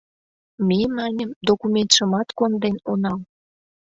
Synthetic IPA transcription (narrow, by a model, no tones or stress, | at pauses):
mʲemɑnʲəmd̪okumʲent̪ʃə̆mɑt̪kond̪enonɑl